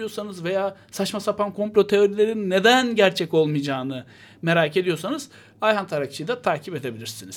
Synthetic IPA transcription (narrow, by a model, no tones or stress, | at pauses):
ijosanɯzve̞jaːsat͡ʃmasapankʰo̞mplʲo̞t̪ʰe̞o̞ɾilʲe̞ɾinːe̞d̪ænɟæɾt͡ʃʰɛco̞lˠmɯjd͡ʒaːnɯ | me̞ɾaːce̞d̪ijo̞sanɯz̥ | ajɦant̪ʰaɾak̚t͡ʃʰɯjd̪at̪ʰaːcʰipe̞d̪e̞bilʲiɾsiniz̥